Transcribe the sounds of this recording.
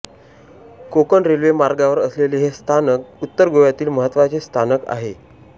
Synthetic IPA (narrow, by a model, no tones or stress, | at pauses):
kokənɾelʋemaɾɡaʋəɾəsleleɦest̪ʰanəkut̪ːəɾɡoʋjat̪iːlməɦət̪ːʋat͡sest̪ʰanəka̰ɦe